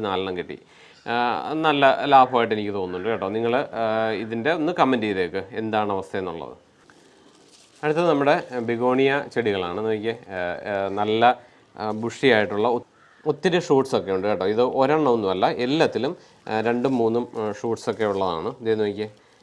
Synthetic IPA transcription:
naːlɳɐmkeʈːḭ | nɐlːɐlaːbʱɐaːjiʈːenikʲːɨt̪o̞ːnːuɳɖɨkeːʈːoːniŋːɐɭiðinde̞onːɨkɐmːɐndiːðɐjkːɨe̞̰nd̪aːɳɨɐʋɐst̪ʰɐjenːṵɭːɐ̰ðɨ̰ | ɐɽut̪ːɐnɐmːuɽe̞biɣo̞ːɳijɐt͡ɕeɽiɣɐɭa̰ːɳɨnɐikʲːɨ | nɐlːɐ | buʂijaːjiʈːuɭːɐ | ot̪ːɐɾuʂuːʈso̞kːe̞juɳɖɨkeːʈːoːiðɨʔoɾɐɳːɐunːumɐlːɐʔelːɐt̪ːilum | ɾe̞ɳɖɨmːuːnːumʂuːʈso̞kːe̞juɭːɐða̰ːɳɨɐd̪eɐnːuːikʲːɨ

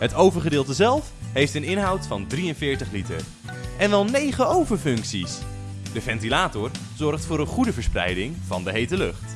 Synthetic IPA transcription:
ɦətowvəɹχədɪːlˠtəzɛlˠfɦejftənɪnɦɑwtfɑndriənvɪːɹtəχlitə̰ɹ | ɛnʋɛlˠnejχəowvəɹfɵŋksis | d̥əvɛntilaːtʊɹ | z̥ɔɹχtfʊːɾənχudəvəɹsprɛ̰jdɪŋvɑ̰ndəɦejtəlɵχt

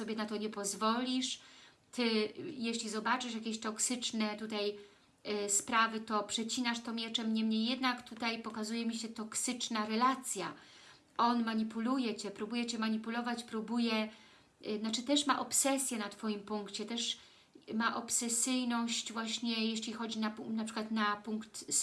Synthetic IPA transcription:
sɔbʲjɛnat̪ɔɲɛpɔzvɔlʲiʂ | t̪ɘjeɕlʲizɔbat͡ʂɘʂjakʲeɕt̪ɔksɘt͡ʂnɛt̪ut̪aj | spɾavɘt̪ɔpʂɛt͡ɕinaʂt̪ɔmʲjɛt͡ʂɛmɲɛmɲejːɛd̪nakt̪ut̪ajpɔkazujɛmʲiɕɛt̪ɔksɘt͡ʂnaɾɛlat̪sʲja̰ | ɔnmaɲipulujɛt͡ɕɛpɾubujɛt͡ɕɛmaɲipulɔvat͡ɕpɾubujɛ | nat͡ʂɘt̪ɛʂma̰ʔɔpsɛsʲjɛnat̪fɔjimpuŋkt͡ɕɛt̪ɛʂ | maʔɔpsɛsɘjnɔɕt͡ɕvwaɕɲɛjeɕlʲixɔd͡ʑinaunapʂɘkwat̪napuŋkt̪

